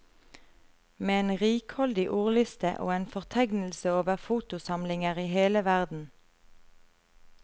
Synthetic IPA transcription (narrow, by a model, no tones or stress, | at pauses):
meːeːnʁiːkhɔld̪ɪʔuːʁlʏst̪ə̰ʔo̰ːeːnfɔʁt̪ʰæɡnl̩səoːʋəʁfuːt̪ʊsɑmlɪŋəʁiːheːləʋæʁd̪n̩